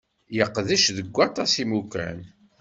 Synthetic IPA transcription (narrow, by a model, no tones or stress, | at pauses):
jəqːðəʃðəɡʷːɑt̪ˤɑsimukæ̰n